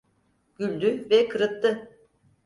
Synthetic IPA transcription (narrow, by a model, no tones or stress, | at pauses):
ɡ̥ylʲd̪yvɛkʰɯɾɯt̪ʰːɯ